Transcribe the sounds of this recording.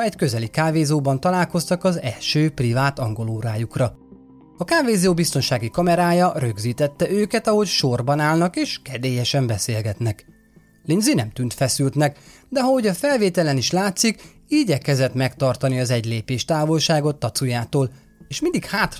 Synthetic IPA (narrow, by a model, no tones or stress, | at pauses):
ɛckø̞zɛlikaːveːzoːbɒnt̪ɒlaːlko̞st̪ɒkɒzɛ̰lʃøːprivaːt̪ɒŋɡo̞loːɾaːjukrɒ | ɒkaːveːzoːbist̪o̞nʃaːɡikɒmɛɾaːjɒrø̞ɡziːt̪ɛt̪ːɛʔøːkɛt̪ɒɦo̞cʃo̞rbɒnaːlnɒkeːʃkɛd̪eːjɛʃɛmbɛseːlɡɛt̪nɛk | linzinɛmt̪yːnt̪fɛsylt̪nɛk | d̪ɛɦɒɦoɟɒfɛlveːt̪ɛlɛniʃlaːt̪sik | iːɟɛkɛzɛt̪mɛkt̪ɒrt̪ɒniɒzɛɟleːpeːʃt̪aːvo̞lʃaːɡo̞t̪ːɒt̪sujaːt̪oːl | eːʃmind̪ikhaːt̪